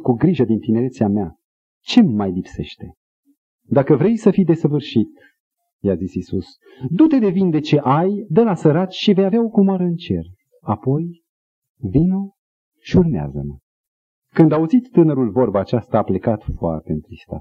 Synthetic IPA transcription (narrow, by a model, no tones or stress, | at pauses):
kuɡɾiʒəd̪int̪ine̞ɾe̞t̪siamea | t͡ʃe̞mːajlipse̞̰ʃt̪e̞ | d̪akəvɾe̞jsəfijd̪e̞səvɨrʃit̪ | jazisisus | d̪ut̪e̞d̪e̞vind̪e̞t͡ʃe̞ʔajd̪əlasəɾat͡ʃʃive̞javeao̞kumoaɾəɨnt͡ʃe̞̰r | apo̞j | vino | ʃiurmea̰zə̰mə | kɨnd̪auzit̪ːɨnəɾulvo̞rbaːt͡ʃast̪aːple̞kat̪foa̰rt̪e̞ɨnt̪ɾist̪a̰